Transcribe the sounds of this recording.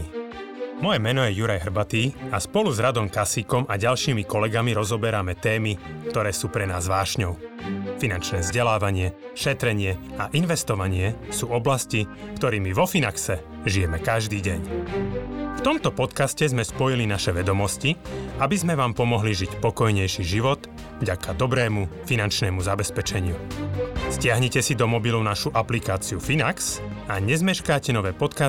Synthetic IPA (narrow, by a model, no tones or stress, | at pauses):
mɔjɛmɛnɔjɛjuɾajɦr̩bat̪iːaspɔluzɾad̪ɔmkasikɔmaɟalʃiːmikɔlɛɡamiɾɔzɔbɛɾamɛt̪ɛːmikt̪ɔɾɛːsuːpɾɛna̰ːzʋaːʃɲɔʊfinant͡ʃnɛːvzɟɛlaːʋaɲɪɛʃɛt̪ɾɛɲɪɛaʔinʋɛst̪ɔʋaɲɪɛsuːɔblascikt̪ɔɾiːmiʋɔfinaksɛ | ʒijɛmɛkaʒd̪iːɟɛɲ | ft̪ɔmt̪ɔpɔt̪kascɛzmɛspɔjilinaʃɛʋɛd̪ɔmɔsciabizmɛʋaːmpɔmɔɦliʒicpɔkɔjɲɛjʃiːʒiʋɔt̪ | vɟakʰad̪ɔbɾɛːmufinant͡ʃnɛːmuzabɛspɛt͡ʃɛɲɪu | scɪaɦɲɛcɛsid̪ɔmɔbilɔʊnaʃuʔaplikaːt͡siufinaksaɲɛzmɛʃkaːcɛnɔʋɛːpɔt̪ka